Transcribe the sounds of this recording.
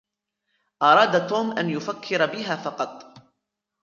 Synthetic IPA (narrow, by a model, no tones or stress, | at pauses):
ʔɑɾˤɑːd̪at̪oːmʔanjʊfakʰːɪɾabɪɦaːfɑqɑt̪ˤ